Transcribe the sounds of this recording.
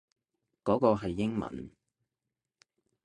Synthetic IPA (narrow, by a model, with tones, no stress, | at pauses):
kɔː˨˥kɔː˧ɦɐ˨jːɪ˥ŋmɐ̰˨˩n